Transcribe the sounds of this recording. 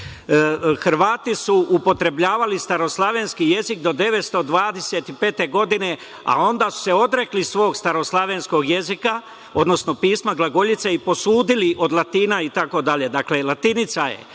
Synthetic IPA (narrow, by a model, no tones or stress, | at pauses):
xɾʋaːt̪isuʔupo̞t̪ɾe̞bʎaːʋalist̪aɾo̞slˠaʋe̞nskije̞zikd̪o̞d̪e̞ʋe̞t̪st̪o̞d̪ʋaːd̪e̞set̪ipe̞ːt̪e̞ɡo̞d̪ine̞ | a̰o̞nd̪aːsu̥seo̞d̪ɾe̞klisʋo̞ːɡst̪aɾo̞slˠaʋensko̞ɡjezika | od̪no̞sno̞piːsmaɡlˠaɡo̞ʎit̪seipo̞suːd̪iliʔo̞d̪lˠat̪iːnait̪ako̞d̪aʎe̞d̪akle̞lat̪init̪sajḛ